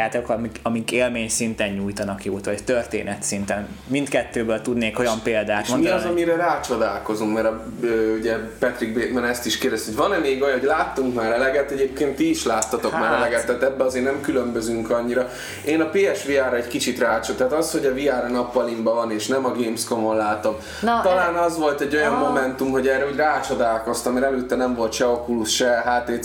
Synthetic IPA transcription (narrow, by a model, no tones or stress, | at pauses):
aːt̪ɛkmikɒmikeːlmeːɲsint̪ɛɲɲujt̪ɒnɒkjoːt̪ʋɒt̪ørt̪ḛːnɛt̪sint̪ɛnmint̪kɛt̪ːøːbøːlt̪ud̪neːko̞jɒmpeːld̪aːt̪monmiɒzɒmiɾɛɾaːt͡ʃo̞d̪a̰ːlko̞zuŋkmɛɾɒøuɟɛpɛt̪rɾiɡ̚beːbɛnɛst̪iʃkeːrd̪ɛst̪iojvɒnɛmeːɡojɒnɦolaːt̪ːuŋkmaːɾɛlɛɡɛt̪ːɛɟeːpkeːnt̪ːiːʃlaːt̪ːɒt̪o̞kmaːɾɛlɛɡɛt̪ːɛːt̪ɛbːɛɒzeːrnɛmkylømbøzyŋkɒɲːiɾɒ | eːnɒpeːɛʃʋiaːɾɒɛckit͡ʃit̪raːt͡ʃot̪aɦːt̪ɒsho̞ɟɒviaːɾɒnɒpːɒlimbɒvɒneːʃnɛmɒɡeːmskomonlaːt̪o̞m | t̪ɒlaːnɒzʋo̞lt̪ɛɟːo̞jɒmmo̞mɛnt̪umɦo̞ɟɛːrːɛoɟraːt͡ʃo̞d̪aːlko̞st̪ɒmːɛɾɛløːt̪ːɛnɛɱvo̞lt̪ʃɛokulusʃɛɦaːt̪eː